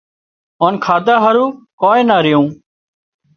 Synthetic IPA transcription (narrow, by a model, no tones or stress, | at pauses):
oːnkʰaːd̪aːɦəɾũːkoːẽːnaːɾɪjũː